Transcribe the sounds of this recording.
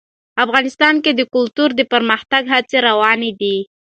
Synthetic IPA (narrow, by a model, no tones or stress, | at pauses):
afɣɑnɪst̪ɑnked̪əkʊlt̪uɾd̪əpəɾməxt̪aɡɦat͡seɾawɑned̪i